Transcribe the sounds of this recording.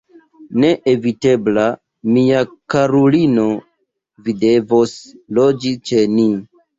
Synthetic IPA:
ne̞ʔevite̞bla | miakaɾulino̞ | vide̞voslod͡ʒit͡ʃe̞ni

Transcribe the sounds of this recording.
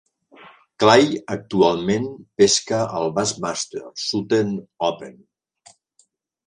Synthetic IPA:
klajək̚t̪ualˠmenpeskəʔəlˠβazmast̪ḛɾsut̪enɔpen

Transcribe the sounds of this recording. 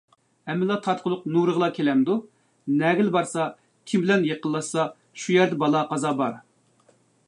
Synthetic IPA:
hɛmːɪlˠɑt̪ʰɑt̪̚qʰʊlˠʊqnuɾəʁlˠɑkʲʰelɛmd̪u | nɛɡʲɪlbɑɾsɑ | kʲʰimbɪlɛnjeqʰəlˠːɑssɑ | ʃujæɾd̪ɛbɑlˠɑqɑzɑbɑɾ

